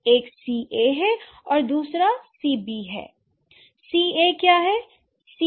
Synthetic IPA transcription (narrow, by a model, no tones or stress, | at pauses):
eːksiːʔeɦɛ | ɔːɾd̪uːsɾasiːbiɦɛ̰ː | siekjaːɦɛ | si